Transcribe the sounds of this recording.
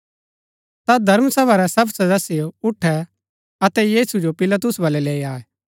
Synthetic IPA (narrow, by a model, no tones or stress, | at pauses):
t̪ad̪ʱɐɾmsɐbaɾɛsɐbsɐd̪əsijoʊʈʰːɛ | ɐt̪ɛjiːsud͡ʒopɪlat̪̬ʊsbɐːlɛleːiaːɛ